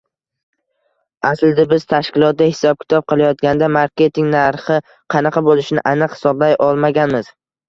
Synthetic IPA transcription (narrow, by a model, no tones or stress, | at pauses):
asld̪ɪbɪzt̪ʰaʃkʲɪlˠɒt̪̚d̪ahɪsɒb̚kʲʰɪ̥t̪ʰɒp̚qʰɨlˠajɒt̪̚ɡʲand̪amaɾkʲe̞t̪ʰɪŋnaɾχɪ | qʰɑnɑqʰɑbolɪʃnɪʔanɨqhɪ̥sɒblajʔɒlˠmaɡʲanmɪz̥